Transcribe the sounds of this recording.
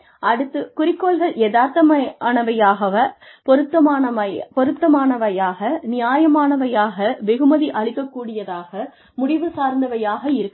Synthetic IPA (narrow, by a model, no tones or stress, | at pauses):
ʔɐɽɯt̪ːɯkʊrɪkːoːɭɣɐɭɛðaːɾt̪ːɐmɐɳɐʋɐjaːɣɐʋɐpɔɾɯt̪ːɐmːɐpɔɾɯt̪ːɐmaːnɐʋɐjaːɣɐnɪjaːjɐmaːnɐʋɐjaːɣɐʋɛɣɯmɐðiʔɐɭɪkːɐkːuːɽɪjɐðaːɣɐ | mʊɽɪʋɯsaːɾnd̪ɐʋɐjaːɣɐɪɾɯkː